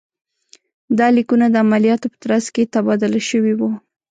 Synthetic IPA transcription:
d̪ɑlikunad̪əamalijɑt̪opə̥t̪ɾazket̪abɑd̪ʊlaʃəwiwu

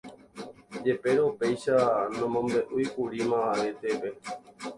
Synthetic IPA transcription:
d͡ʒe̞pe̞ɾeope̞jʃanõmõmbe̞ʔujkuɾimãaɾe̞t̪e̞ʋe̞

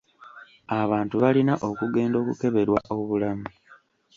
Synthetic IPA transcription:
aβaːntuβalinaʔo̞kuɡe̞ːndo̞ːkuke̞βe̞ɾwa̰ʔo̞βulamu

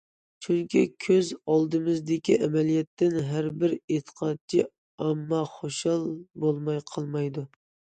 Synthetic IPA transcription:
t͡ʃʰyŋkʲʰḭkʲʰøzɑlˠd̪ɨmɨzd̪ɪkʲiʔɛmɛlijɛt̪ːɪnɦæɾbɪɾet̪ʰə̥qʰɑt̪̚t͡ʃʰi | ɑmːɑχoʃɑlˠbolˠmɑjqʰɑlˠmɑjd̪u

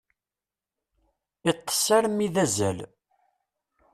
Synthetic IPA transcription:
it̪ˤːə̥sːaɾmiðæzæ̰l

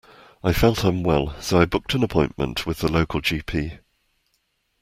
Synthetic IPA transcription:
aɪfɛlˠʔhə̃mwɛlˠsəʊaɪbʊk̚tʰə̃nəpʰɔ̃ɪ̃nmə̰̃nʔwɪðələʊkʰəlˠd͡ʒiːpʰiː

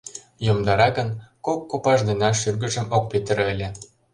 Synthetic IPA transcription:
jomd̪ɑɾɑɣənkokːopɑʒd̪enɑʃyrɣə̆ʒə̆mok̚pet̪əɾəlʲĕ

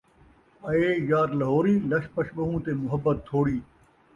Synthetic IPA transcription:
ɐeːjaːɾlɐɦoːɾiːlɐʃpɐʃɓɐɦũːt̪eːmʊɦəbːət̪ːʰoːɽiː

